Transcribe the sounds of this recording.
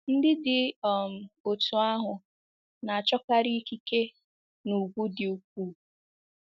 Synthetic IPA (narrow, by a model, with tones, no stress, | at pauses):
n̩˦dɪ˦dɪ˨ɔ˨m̩˨o˨tu˨a˦ɦʊ˨ | na˨a˨t͡ʃɔ˦ka˦ɾi˦ki˦ke˦ | nu˨ɡu˦dɪ˨u˨k̚ʷuː˦˨